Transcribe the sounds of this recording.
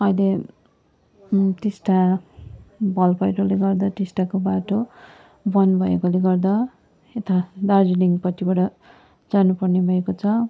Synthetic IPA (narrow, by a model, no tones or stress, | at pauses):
ʌjle | t̪esʈa | bʱʌlpʌjʈoleɡʌrd̪ʌt̪isʈakobaʈo | bʌnbʱʌekoleɡʌrd̪ʌ | et̪ad̪ard͡ziniŋpʌtibʌɽʌ | d͡zanupʌrnebʱʌekot͡sʰʌ